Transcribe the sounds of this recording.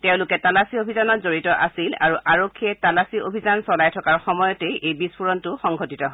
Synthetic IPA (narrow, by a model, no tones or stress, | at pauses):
tɛʊ̃lʊkɛtalasiobʱizanɔtzoɹitɔʔa̰sila̰ɹuʔaɹokʰːiɛtalasiobʱizansɔlajtʰɔkaɹxɔmɔjɔtejʔejbispuɹɔntʊxɔŋɡʱotitɔɦɔ